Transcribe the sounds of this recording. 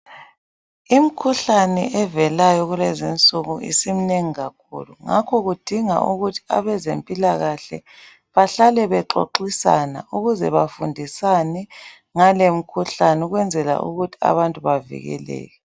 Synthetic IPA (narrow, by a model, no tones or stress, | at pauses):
im̩kʰuɬanɛ̰ʔɛvɛlajɔɣulezint͡sʼuɣuḭsim̩neŋiɣakʰṵːluŋa̰kʰɔɣud̥ʱiŋa̰ʔuɣutʰi̥a̰βɛzempʼilaɣaɬɛ̰ | βaɬalɛβɛǃo̰ǃisanauɣuzɛβafundʱisanɛ | ŋalem̩kʰuɬanɛuɣwɛnd͡zʱɛla̰ʔṵɣutʰi̥a̰βantʼuβavḭɣɛ̰lɛ̰ːɣɛ